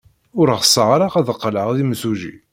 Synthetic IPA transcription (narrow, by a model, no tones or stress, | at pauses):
ʊɾʁəsˤːəʁɾaʁæðəqːləʁðimsuʒḭ